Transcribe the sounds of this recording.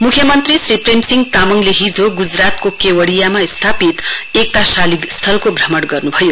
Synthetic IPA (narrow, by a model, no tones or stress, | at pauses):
mukʰjʌmʌnt̪risripʰremsiŋɡt̪amʌŋleɦid͡zoɡud͡zrat̪kokewʌɽijamaist̪ʰapit̪ek̚t̪asalikst̪ʰʌlkobʱrʌmʌɽɡʌrnubʱʌjo